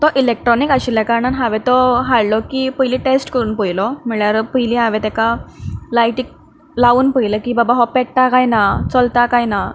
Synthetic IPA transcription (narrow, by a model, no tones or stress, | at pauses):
t̪ɔʔilek̚ʈɾɔnikaɕilɛkaɾəɳanɦaʋɛt̪ɔɦaɭlɔkipəjlĩʈesʈkəɾuːnpəjlɔmiɭjaɾpəɦjliɦaʋɛt̪ɛkalajʈik̚ | lauːnpəjləkibabaɦɔpɛʈʈakajnat͡sɔlt̪akajna